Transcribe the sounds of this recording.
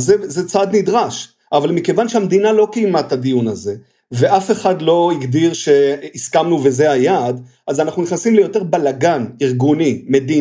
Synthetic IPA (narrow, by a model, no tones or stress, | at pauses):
zezet͡sad̪nid̪ʁaʃ | ʔavalmikevanʃeamd̪inalo̞kejmatad̪ijunaze̞ | ve̞ʔafe̞χad̪lo̞iɡd̪iʁʃe̞iskamnuvezeajad | ʔazanaχnuniχnasimlejo̞t̪eʁbalaɡaniʁɡunime̞d̪i